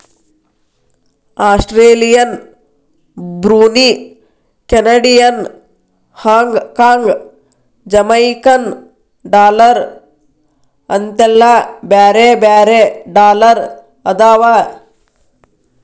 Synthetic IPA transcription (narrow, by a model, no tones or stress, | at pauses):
aːsʈɾeːlijɐn | bɾuːni | kenɐɖijɐn | haːŋɡkaːŋɡ | d͡ʒɐmɐjkɐn | ɖaːlɐɾ | ɐnt̪elːabaːɾebaːɾeɖaːlɐɾ | ɐd̪aːʋa